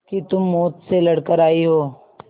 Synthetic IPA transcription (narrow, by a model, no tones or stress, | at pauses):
kit̪ʊmːoːt̪selɐɽkəɾaːiɦoː